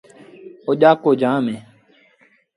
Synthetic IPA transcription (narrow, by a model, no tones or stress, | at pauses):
oʄaːkoːd͡ʒãːmẽː